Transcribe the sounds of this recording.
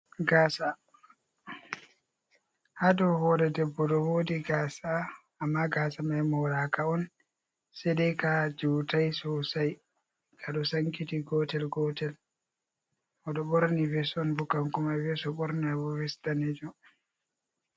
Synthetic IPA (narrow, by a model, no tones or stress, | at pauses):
ɡaːsa | hadɔhɔɾɛdɛbːɔɗɔwoːdiɡaːsaː | mːaɡaːsamajmɔɾakaɔn | sɛdɛkad͡ʒutajsɔsaj | ɡ̥aɗɔsaŋkitiɡɔtɛlɡɔtɛl | ɔɗɔɓɔɾnivɛsɔnbukːaŋkɔmajvɛsɔɓɔɾnawɔvɛsdanɛd͡ʒɔ